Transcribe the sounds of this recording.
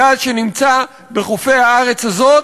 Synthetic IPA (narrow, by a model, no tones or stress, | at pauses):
aʃenimt͡sa | be̞χofe̞jhaaʁe̞t͡shazo̞